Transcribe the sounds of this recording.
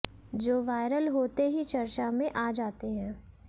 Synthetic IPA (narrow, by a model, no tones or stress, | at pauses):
d͡ʒoːʋaːɪɾəlɦoːt̪eɦit͡ʃɐɾt͡ʃamẽʔaːd͡ʒaːt̪eɦɛ̃ː